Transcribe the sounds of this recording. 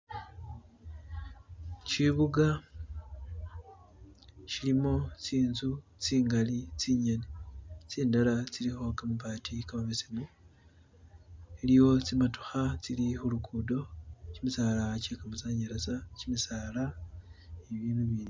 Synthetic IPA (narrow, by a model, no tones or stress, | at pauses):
ciβuɡa | cilimo̞t͡siːnzut͡siːŋɡalit͡siɲe̞net͡siːndalat͡silixo̞kamupaːtʰikamaβesimu | elijo̞t͡simato̥xat͡silixulukudo̞cimisaːlacekamuzaːɲeɾezacimisaːla | eβiːnuβiːni